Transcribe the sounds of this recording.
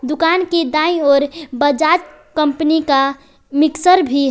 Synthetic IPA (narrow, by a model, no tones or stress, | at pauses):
d̪ʊkanked̪ãĩɔːɾbəd͡ʒad͡ʒ | kəmpnika | mɪksəɾbʱi